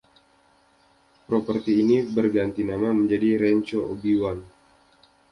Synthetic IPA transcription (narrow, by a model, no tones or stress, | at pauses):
pɾopərt̪iːnibərɡant̪inamaməɲd͡ʒadiɾɛɲt͡ʃoobiwan